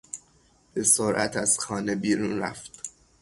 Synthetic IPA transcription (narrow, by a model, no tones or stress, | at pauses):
b̥e̞soɾʔæ̰t̪ʰæz̥xɒːnebiːɾunɾæ̰ft̪